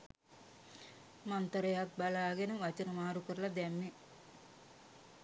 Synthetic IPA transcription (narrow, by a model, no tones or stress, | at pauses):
mant̪əɾeɦak̚balaːɡenəʋat͡ʃənəmaːɾukəɾəlad̪ɛmːe